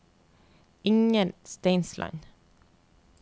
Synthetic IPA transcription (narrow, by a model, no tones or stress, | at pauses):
ɪŋənst̪eɪnslʔɑ̰ɪn